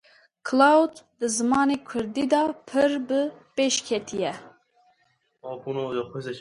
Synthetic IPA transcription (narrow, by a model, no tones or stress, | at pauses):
kʰlɑwd̪d̪ɨzɨmɑːneːkʰʊɾd̪iːd̪ɑːpʰɨɾbɨpeːʃkʲʰɛt̪ʰijɛ | ɑːpunojɔxezɛ